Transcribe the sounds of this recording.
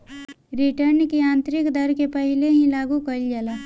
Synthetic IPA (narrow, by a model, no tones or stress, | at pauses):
ɾiʈəɾnkiãːnt̪ɾɪkd̪əɾkepəɦɪleɦĩlaːɡukəld͡ʒalaː